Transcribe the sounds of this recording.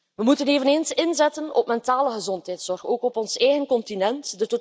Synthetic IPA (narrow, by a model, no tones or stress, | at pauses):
ʋəmutəneːvəneːnsɪnzɛtənɔ̰pmɛntaːləɣəzɔntɦɛjtsɔrxoːkɔpɔnsɛjɣənkɔntinɛntdəto